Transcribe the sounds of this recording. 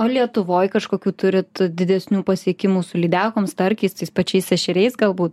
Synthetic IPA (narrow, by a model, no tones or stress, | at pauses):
oːlʲiɛt̪ʊʋoːjkɐʃkoːkʲuːt̪ʊɾʲɪt̪d̪ʲɪd̪ʲɛsʲnʲuːpɐsʲiɛkʲɪmuːsʊlʲiːd̪ʲæːkoːmst̪ɐɾʲkʲɛst̪ɐɪspɐt͡ʃʲɛɪsɛʃʲɪɾʲɛɪsɡɐlˠbuːt̪̚